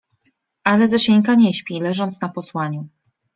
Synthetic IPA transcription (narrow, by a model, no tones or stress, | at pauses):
ʔalɛzɔɕɛɲkaɲɛɕpʲilɛʐɔnt̪snapɔswaɲu